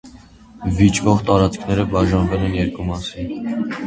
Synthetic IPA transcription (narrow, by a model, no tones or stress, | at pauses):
vit͡ʃvɔʁt̪ɑɾɑt͡skʰnɛɾəbɑʒɑnvɛlɛnjɛɾkumɑsin